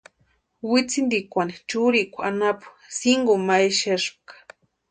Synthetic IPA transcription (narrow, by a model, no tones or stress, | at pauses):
wit͡sind̪ikʷanit͡ʃuɾikʷanapu̥ | siŋɡumajʃeʂ̚kḁ